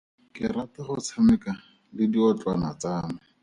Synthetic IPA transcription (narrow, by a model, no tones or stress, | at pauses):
kɪrataχʊt͡sʰamɛka | lɪdiɔt͡ɬʼwanat͡saːnɪ